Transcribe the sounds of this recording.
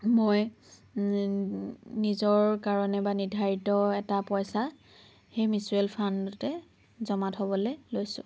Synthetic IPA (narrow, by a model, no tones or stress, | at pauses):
moj | nizɔɹkaɹɔnɛbanidʱaɹitɔɛtapɔjsa | xejmisɹelpʰandutɛ | zɔmathobɔlɛlojsʊ̰̃